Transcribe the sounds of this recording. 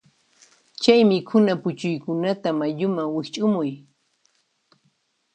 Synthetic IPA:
t͡ʃajmɪkʰʊnapʊt͡ʃʊjkʊnat̪amaʎʊmaŋwɪxt͡ʃʼʊmʊj

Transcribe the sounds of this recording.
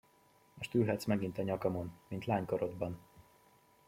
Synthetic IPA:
moʃt̪yːlɦɛt̪smɛɡint̪ɒɲɒkɒmo̞nmint̪laːɲkɒɾod̪bɒn

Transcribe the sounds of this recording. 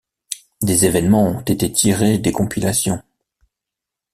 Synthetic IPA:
d̪ezevɛnmɑ̃ɔ̃t̪et̪et̪ʰiʁed̪ekɔ̃pilasjɔ̃

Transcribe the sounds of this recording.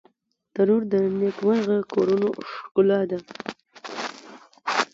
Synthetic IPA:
t̪aɾuɾd̪ənekwanɣəkoɾunoʂkʊlɑd̪a

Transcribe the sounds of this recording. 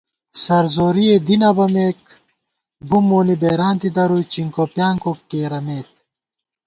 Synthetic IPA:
sɐɾzoːɾied̪inɐbɐmeːk | bumoːnibeːɾaːnt̪id̪ɐɾujt͡ɕiŋkopjaːŋkokkːeːɾɐmeːt̪̚

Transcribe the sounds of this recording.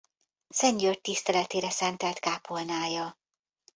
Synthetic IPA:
sɛɲɟørt̪ːist̪ɛlɛt̪eːɾɛsɛnt̪ɛlt̪kaːpolnaːjɒ

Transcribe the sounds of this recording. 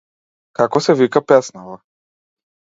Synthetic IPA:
kakɔsɛvikapɛsnava

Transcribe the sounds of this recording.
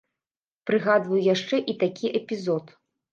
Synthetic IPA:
pɾɨɣad̪vɐjjaʂt͡ʂɛʔit̪akʲiʔɛpʲizɔt̪

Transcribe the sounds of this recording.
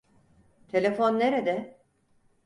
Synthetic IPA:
t̪ʰe̞lʲefo̞nːeɾed̪ɛ

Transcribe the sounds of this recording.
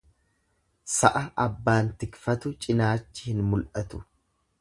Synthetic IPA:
sɐʔɐʔɐbːaːnt̪ɪkfɐt̪ʊt͡ʃʼɪnaːt͡ʃːɪhɪnmʊlʔɐt̪ʊ̥

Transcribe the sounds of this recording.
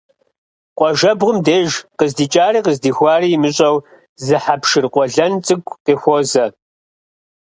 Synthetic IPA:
qʷʼɔʒɐbʁʷʊmdeːʒqəzdiːt͡ʃʼaːriːqəzdiːxʷɑːriːmɨɕʼɐw | zɨħapʃɪrqʷʼɔɮɐnt͡sʼɨɡʷʼqeːxʷozɐ

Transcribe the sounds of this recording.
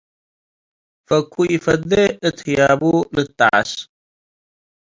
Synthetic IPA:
fɐkʰːuifɐd̪ːeɨt̪hijaːbulɨt̪ːa̰ʕa̰s

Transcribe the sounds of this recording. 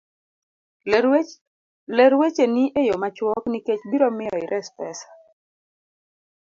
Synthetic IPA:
lɛɾwet͡ʃenɪʔejomat͡ʃwɔkniket͡ʃbiɾɔmɪjɔɪɾʔɛspɛsḁ

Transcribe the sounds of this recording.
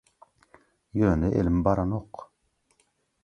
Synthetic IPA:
jœːnəʔḛlmbɑɾanoqː

